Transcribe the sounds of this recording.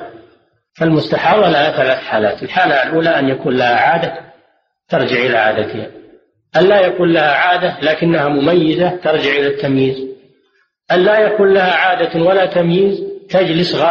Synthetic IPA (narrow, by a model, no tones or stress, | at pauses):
falmʊst̪aħɑːðˤɑlahaθalaːθħaːla̰ːt̪ɪlħaːlalʔuːlaʔanjakuːnlahaʕaːd̪a | t̪ɑɾˤd͡ʒɪʕʔɪlaʕa̰ːd̪at̪ɪha | ʔanlaːjakuːnlahaʕaːd̪alaːkɪnːahamʊmajːɪzat̪ɑɾˤd͡ʒɪʕʔɪlat̪ːamjiːz | ʔanlaːjakuːnlahaʕaːd̪awalat̪amjiːzt̪ad͡ʒlɪsɣaː